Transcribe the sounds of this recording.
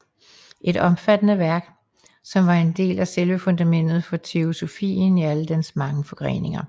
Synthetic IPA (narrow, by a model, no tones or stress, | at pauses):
ʔe̝ɾ̥ɒ̽mfæd̥ənəʋæɐɡ̥ | sɒ̽mʋɑ̈e̝nd̥e̝̰ːlæselʋəfo̽nd̥æmen̰d̥ð̩ˠfɒ̽t͡sʰe̝o̝so̝fḭːniæləd̥ensmɑ̈ŋəfɒ̽ɡ̥ʁḛːne̝ŋɐ